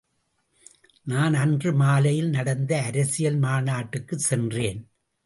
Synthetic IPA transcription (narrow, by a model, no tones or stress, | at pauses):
naːnɐndrɯmaːlɐjɪlnɐɽɐnd̪ɐːɾɐsɪjɐlmaːnaːʈːɯkːɯsɛndreːn